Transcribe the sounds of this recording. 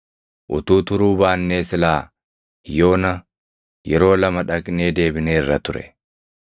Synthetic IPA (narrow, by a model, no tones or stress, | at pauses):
ʔʊ̰t̪uːt̪ʊɾuːbaːnːeːsɪlaː | jo̞ːnɐ | jɛɾo̞ːlɐmɐᶑɐkne̞ːd̪e̞ːbɪneːrːɐt̪ʊɾɛ̰